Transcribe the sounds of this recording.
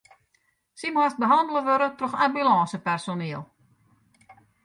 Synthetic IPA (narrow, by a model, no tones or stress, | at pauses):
simast̚bəɦɑndəlˠəʋøɾətrɔxabylɑːsəpɛrsoneːlˠ